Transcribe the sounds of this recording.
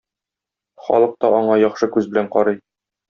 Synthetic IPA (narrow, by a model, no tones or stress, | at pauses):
χɒ̰lˠɤ̆q̚t̪ɒɒɴɑjɒχʃɤkʉzbɘ̆læɴqɒɾɤj